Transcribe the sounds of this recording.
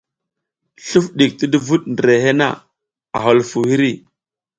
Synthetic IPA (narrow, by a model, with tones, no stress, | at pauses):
ɬu˦fɗi˨k̚ti˦di˦vu˦ɗndɾe˨ɦe˦na̰˦ | a̰˨ɦo˨lfu˨hi˦ɾi˦˨